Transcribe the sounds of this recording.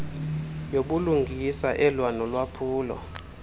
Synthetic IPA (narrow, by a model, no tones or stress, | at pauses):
joɓuluŋɡʱisaʔɛlwanɔlwapʰuːlɔ̰